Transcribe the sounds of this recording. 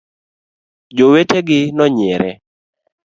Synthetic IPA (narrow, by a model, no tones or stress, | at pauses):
d͡ʒoweteɡɪnɔɲɪɛɾɛ